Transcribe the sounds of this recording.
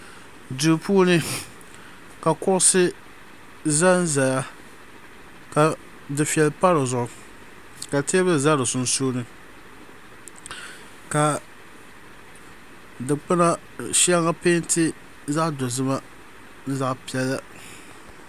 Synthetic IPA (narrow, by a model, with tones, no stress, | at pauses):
du˨pʰuː˦nɨ˦ | ka˨kʊ˦ʔʊ˦sɨ˦ | za˦n̩˦za˨ja˦ | ka˨ | dɨ˨fi˨ɛ˨lpa˦ɾɨ˨zʊ˨ʔʊ˨ | ka˨te˦bɨ˦za˦ɾɨ˨sʊ˨n˨suː˦nɨ˨ | ka˨ | dɨ˨k͡pɨ˦na˦ | ʃa˦ŋa˦pe˦n˦tʰɪ˦ | za˦ʔdo˨zɨ˦ma˦ | n̩˦za˦ʔpi˨ɛ˦lːa˦